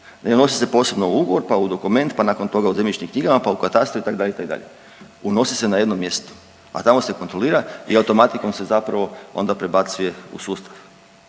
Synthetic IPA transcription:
neono̞sise̞po̞ːse̞bnouuɡoʋo̞ɾpaud̪o̞kume̞nt̪panako̞nt̪o̞ɡauzemʎʲit͡ʃɲimkɲiɡamapaukat̪ast̪ɾoit̪akd̪aʎeit̪akd̪a̰ʎe̞ | uno̞sise̞naje̞d̪no̞mje̞st̪o̥ | a̰t̪amo̞se̞ko̞nt̪ɾo̞lˠiːɾaiaut̪o̞mat̪iko̞mse̞zapɾaʋo̞o̞̰nd̪apɾe̞bat̪suje̞ṵsuːst̪ḁʋ

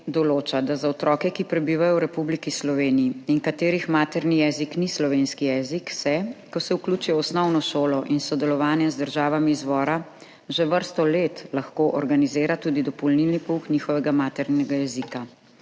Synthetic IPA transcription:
d̪ɔloːt͡ʃad̪azaɔt̪ɾɔːkɛkipɾɛbiːʋajɔwɾɛpublikislɔʋeːnijiinkat̪eːɾixmaːt̪ɛɾnijɛziknislɔʋeːnskijɛːziksɛkɔsɛuklut͡ʃujɛɔsnɔwnɔʃoːlɔʔinsɔd̪ɛlɔʋaːnjɛzd̪əɾʒaːʋamiːzʋɔːɾa | ʒeʋəɾst̪ɔleːt̪laxkoʔɔɾɡanizeːɾat̪ud̪id̪ɔpɔlnilnipuxniːxɔʋɛɡamaːt̪ɛɾnɛɡajɛzika

